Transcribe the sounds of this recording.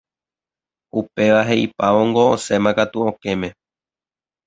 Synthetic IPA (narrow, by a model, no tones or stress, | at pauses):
upe̞ʋaɦe̞ʔipaʋoŋɡoose̞mãkat̪uõke̞mẽ̞